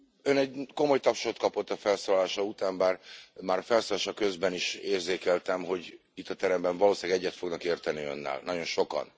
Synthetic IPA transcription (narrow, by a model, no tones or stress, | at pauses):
ønɛɟko̞mo̞jt̪ɒpʃot̪̚kɒpot̪ːɒfɛlsoːlɒlaːʃɒut̪aːmbaːrmaːɾɒfɛlsoːlaːʃɒkø̞zbɛniʃeːrzeːkɛlt̪ɛmɦo̞ɟ | it̪ːɒt̪ɛɾɛmbɛɱvɒloːsilaɡɛɟːɛt̪fo̞ɡnɒkeːrt̪ɛniø̞̰nːɛ̰lnɒɟo̞nʃo̞kɒ̰n